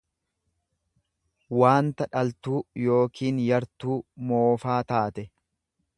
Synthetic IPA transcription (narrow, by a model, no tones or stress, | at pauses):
waːnt̪ɐᶑɐlt̪uːjo̞ːkʰiːnjɐɾt̪uːmoːfaːt̪aːt̪ɛ